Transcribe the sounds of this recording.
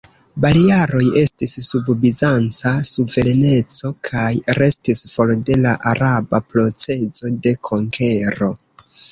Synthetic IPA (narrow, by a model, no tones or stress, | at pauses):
balijaɾo̞je̞stisːubbizant͡sasuve̞ɾene̞t͡so̞kʰajɾe̞stisfo̞lde̞laʔaɾabapɾo̞t͡se̞zo̞de̞kʰo̞ŋkʰe̞ɾo̞